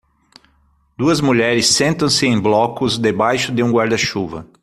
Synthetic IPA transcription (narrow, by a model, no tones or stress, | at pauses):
d̪uɐzmuʎɛɾɪsːẽnt̪ɐ̃w̃sɪẽj̃blɔkʊzd̪ebajʃʊd̪ɪũɡwaɾd̪ɐʃuvɐ̰